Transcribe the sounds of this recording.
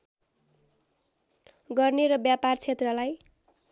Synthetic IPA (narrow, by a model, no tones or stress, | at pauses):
ɡʌrneɾʌbjapart͡sʰet̪rʌlaj